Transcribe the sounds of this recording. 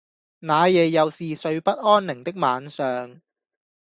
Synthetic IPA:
naː˨˧jɛː˨jjɐ˨˧wsiː˨sɵ˧ɥpɐ˥t̚ʔɔː˥nnɪ˨˩ŋt̪ɪ˥k̚maː˨˧nsœː˨ŋ

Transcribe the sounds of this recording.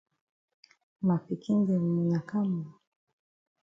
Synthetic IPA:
ma˨fi˨kʰi˦ŋɡɛ˨mu˨na˨ka˦mu˨

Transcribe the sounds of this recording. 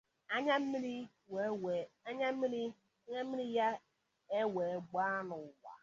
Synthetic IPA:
a˦ɲa˦m̩˦mi˦ɾi˦ | ɲ̩˦ | m̩˦i˦ɾi˦ja˦ | e˦we˨˦˨ɡ͡ba˦nʊ˨wa̰˨

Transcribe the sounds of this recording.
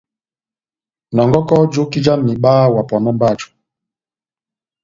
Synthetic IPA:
nɔ˨ŋɡɔ˦kɔ˦d͡ʒo˦ki˦d͡ʒa˦mi˨ɓaː˦wa˨pɔ˨nɔ˦mba˦˨d͡ʒu̥˨

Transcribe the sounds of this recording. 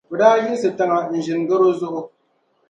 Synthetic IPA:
bʊ˨daː˦ji˦sɨ˨tɐ˦ŋa˨n̩˨ʒɪ˨ŋ˨ɡɐ˦ɾoː˦zʊ˦ʔʊ˦

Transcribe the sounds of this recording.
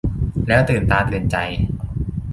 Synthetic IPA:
lɛː˦˥wt̪ɯː˨˩nt̪aː˧t̪ɯː˨˩nt͡ɕa˧j

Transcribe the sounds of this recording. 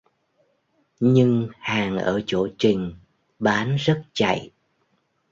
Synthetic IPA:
ɲɨ˧ŋhaː˨˩ŋʔəː˧˩t͡ɕo˧˩t͡ɕï˨˩ŋ̟ | ɓaː˨˦nzə˦˥t̚t͡ɕa̰˧˨j

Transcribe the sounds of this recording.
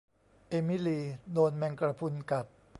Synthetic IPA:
ʔe˧mi˦˥liː˧doː˧nmɛː˧ŋkɾa˧pʰu˧nka˨˩p̚

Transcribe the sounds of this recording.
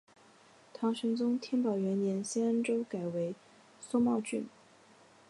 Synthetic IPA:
t̪ʰɑ˧˥ŋʂɤ˧˥ŋt͡sʊ˥ŋt̪ʰjɛ˥npɑ˨˩ʊɥɛ˧˥nnjɛ˧˥nɕɛ˥nə˥nʈ͡ʂo˥ʊka˨˩ɪwe˧˥ɪ | so˥mɑ˥˧ʊt͡ɕy̰˥˩n

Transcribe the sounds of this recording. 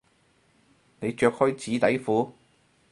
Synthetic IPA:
ne˨˧jt͡ʃœː˧k̚hœ˥ɥt͡siː˨˥t̪ɐ˨˥jfuː˨˥

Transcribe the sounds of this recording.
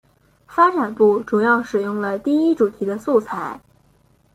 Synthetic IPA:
fa˥ʈ͡ʂa˨˩npu˥˩ʈ͡ʂu˨˩jɑ˥˩ʊʂɻ̩˨˩jʊ˥˩ŋlə˩t̪i˥˩i˥ʈ͡ʂu˨˩t̪ʰi˧˥d̪ə˧su˥˧t͡sʰa˥˩ɪ

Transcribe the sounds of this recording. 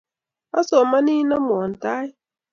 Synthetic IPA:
a˦sɔ˨ma˦ni˦na˦mɔ˨n̩˨ta˦ɪ˦

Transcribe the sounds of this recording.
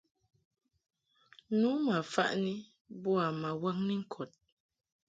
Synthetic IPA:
nu˨˦ma˨fa̰˦ʔni˦ | bɔ˦a˨ma˨wa˦ŋni˦ŋ̩˦kʰɔ˨t̚

